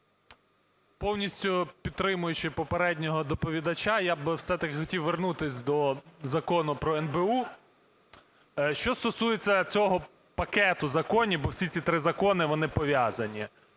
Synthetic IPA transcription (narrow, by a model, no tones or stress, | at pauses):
pɔwnʲisʲtʲʊpʲid̪̚t̪ːɾɪmʊjʊt͡ʃɪpɔpeɾɛdʲnʲɔɦɔd̪ɔpɔʋʲid̪ɐt͡ʃajabwsɛt̪ɐkɪxɔtʲiwʋernut̪ɪsʲd̪ɔzɐkɔnʊpɾɔɛnbeu | ʃt͡ʃɔst̪ɔsujet͡sʲːɐt͡sʲɔɦɔ | pɐkɛt̪ʊzɐkɔnʲibɔwsʲit͡sʲit̪ɾɪzɐkɔnɪʋɔnɪpɔʋʲjazɐnʲi